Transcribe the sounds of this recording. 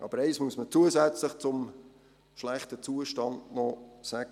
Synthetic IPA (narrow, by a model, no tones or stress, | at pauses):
ʔɑ̰b̥əɾɛɪsmuəsmət͡suəzæt͡sləχt͡sʊm | ʃlæχtət͡suəʃtɑndnɔsæɡ